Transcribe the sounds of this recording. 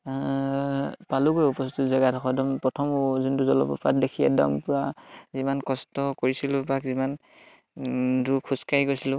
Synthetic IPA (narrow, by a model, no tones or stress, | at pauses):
paluɡojupɔstizaɡatʰɔxʰɔdɔmpɹɔtʰɔmzuntuzɔlɔ̰pɔ̰pa̰tdekʰijɛ̰dɔ̰mpʊɹazimankɔstɔkoɹisilʊbakziman | dukʰuskaɹikoɹisilʊ